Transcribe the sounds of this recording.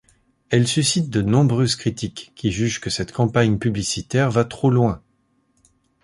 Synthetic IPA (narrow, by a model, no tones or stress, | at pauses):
ɛlsysit̪̚d̪ənɔ̃bʁøzkχit̪ikʲːiʒyʒkəsɛt̪kɑ̃paɲpyblisit̪ɛʁvat̪χolwɛ̃